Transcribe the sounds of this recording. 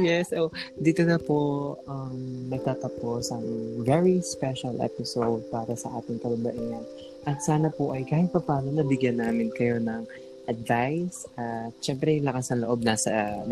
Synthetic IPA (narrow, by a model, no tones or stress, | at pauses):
jɛsʔod̪iːt̪onɐpo̞ɐmnɐɡ̚t̪aːt̪ɐpo̞sɐŋvɛɹispɛʃɐlʔɛ̰pɪsowd̪̚paːɾɐsɐʔaːt̪ɪŋk̪ɐlɐbɐʔɪŋɐn | ʔɐt̪saːnɐpoʔɐjkaːhɪt̪̚pɐpaːnonɐbɪɡjɐnːaːmɪnkɐjo̞nɐŋ | ʔɐd̪̚vajsʔɐt̪̚ʃɛmpɾɛjlɐkɐsɐŋloʔo̞b̚naːsɐ